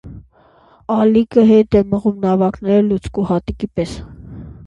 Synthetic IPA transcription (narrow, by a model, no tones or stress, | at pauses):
ɑlikəɦɛt̪ɛməʁumnɑvɑknɛɾlut͡skuhɑt̪ikipɛs